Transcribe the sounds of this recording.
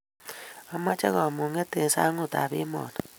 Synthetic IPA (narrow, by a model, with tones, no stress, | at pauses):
a˦ma˦t͡ʃa˦ɣɔ˨mo˨ŋe˦te˨sa˦ŋu˦˨ta̰˨βḭ˦mɔ̰˨tɔ˨